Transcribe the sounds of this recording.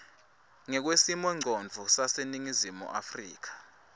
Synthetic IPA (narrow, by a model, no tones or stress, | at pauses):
ŋɛk̬wesimwɛŋ͡ǀʱonvʱusaseniŋizimṵʔafriːk̬ḁ